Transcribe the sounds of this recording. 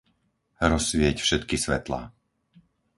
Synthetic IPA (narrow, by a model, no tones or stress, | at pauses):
ɾɔsʋɪɛcfʃɛt̪kisʋɛ̰t̪la̰